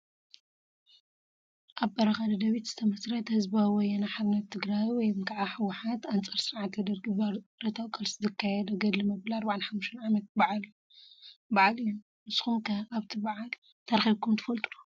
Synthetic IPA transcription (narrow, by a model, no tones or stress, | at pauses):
ʔaβbɐɾɐxadɐd̪ɐβit̪z̥ɨt̪ʰɐmɐsɾɐt̪hɨzbawɔjɐnaħaðnɐt̪ʰːɨɡɾajwɔjmkʰʼʕaħɨwɐħat̪ant͡sʼɐɾsɨɾʕat̪d̪ɐɾɾɐt̪ʰawkʼɐlsɨzɨkʰːajɛd̪ɐɡɐd̪limɐbɨlaɐɾbaʕanħamuʃt̪ɐnʕamɐt̪̚baʕal | baʕalɨjun | mɨsxumkʰɐaβt̪ʰibaʕal | t̪ʰɐɾxiβkʰumt̪ʰɨfɐlt̪ʼulu